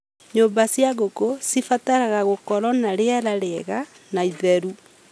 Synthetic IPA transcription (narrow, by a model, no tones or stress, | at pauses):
ɲoːmbasjaɣokosifataɾaɣaɣokɔɾɔnaɾeaɾaɾeɣa | naiðɛɾu